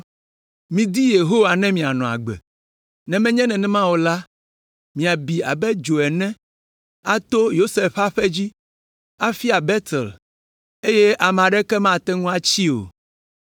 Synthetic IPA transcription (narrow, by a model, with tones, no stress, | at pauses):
mĩ˨d̪i˦je˨ɦo˦wa˨nɛ̃˦mĩ˨a˨nɔ̃˨a̰˨ɡ͡bɛ̰˨ | nɛ̃˨mɛ̃˦ɲɛ̃˦nɛ̃˨nɛ̃˦mã˦wo˨la˦ | mĩ˨a˨bi˨a̰˨bɛ˦d͡ʒo˨ɛ˨nɛ̃˦ | a˦t̪o˦jo˦se˦ɸa˦ɸɛ˦d͡ʑi˦ | a˦fi˦a˨bɛ˦t̪ɛ˨l | e˦je˦ʔa˨m̃˨a˨ɖɛ˦kɛ˦mã˦t̪ɛ˦ŋũ˦a˦t͡ɕi˦o̰˨